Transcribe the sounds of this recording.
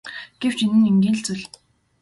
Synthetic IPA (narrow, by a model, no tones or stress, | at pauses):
ɡ̥ew̥t͡ɕinɘ̆neŋɡʲiːnɬt͡suɮ